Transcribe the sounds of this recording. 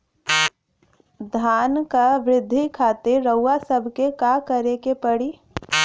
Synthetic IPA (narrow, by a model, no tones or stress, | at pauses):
d̪ʱaːnkaʋɾɪd̪ʱːikʰaːt̪eɾəʊːasəbʱkekakəɾekepəɽi